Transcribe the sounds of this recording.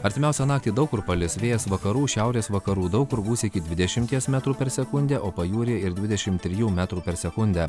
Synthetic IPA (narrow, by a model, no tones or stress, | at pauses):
ɐɾʲt̪ʲɪmʲɛˑʊsʲɛnɑːk̚t̪ʲiːd̪ɐʊkʊɾpɐlʲɪsʋʲeːjɛsʋɐkɐɾuːʃʲæʊɾʲeːsʋɐkɐɾuːd̪ɒʊkʊɾbuːsʲɪɪkʲɪd̪ʲʋʲɪd̪ʲɛʃʲɪmʲt̪ʲiɛsmʲæt̪ɾuːpʲɛɾsʲɛkʊnʲd̪ʲæːʔoːpɐjuːɾʲeːɪɾd̪ʲʋʲɪd̪ʲɛʃʲɪmt̪ʲːɾʲɪjuːmʲæːt̪ɾuːpʲɛɾsʲɛkʊnʲd̪ʲæː